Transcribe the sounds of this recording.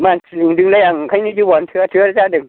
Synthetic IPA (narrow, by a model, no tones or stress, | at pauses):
maːnsliŋdɯŋlajaŋkʰajnit͡ɕubɔntʰɯɐtʰɯɐɾt͡ɕadɯŋ